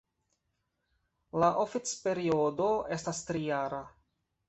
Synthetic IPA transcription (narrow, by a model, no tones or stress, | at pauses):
laʔofit͡spe̞ɾio̞do̞e̞stastɾijaɾa